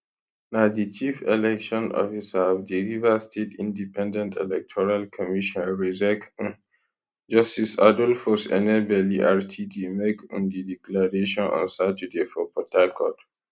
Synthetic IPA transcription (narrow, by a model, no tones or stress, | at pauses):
naʊdit͡ʃifɛlɛkʃɔ̃nʔɔ̰fisaɔvdilivastʰetʰĩndipɛ̃ndɛ̃ntʰɛ̰lɛk̚tʰɔɹalkʰɔmiʃɔ̃nɹizɛk | d͡ʒɔstisa̰dɔlfɔsɛ̰nɛbɛliʔaɹtʰidimekɔ̰̃ndidiklaɹeʃɔ̃nɔ̰̃nsatudefɔpʰɔtʰalkʰɔ̰d